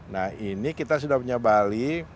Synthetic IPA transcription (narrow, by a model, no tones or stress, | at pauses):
nahinikit̪asudahpuɲabali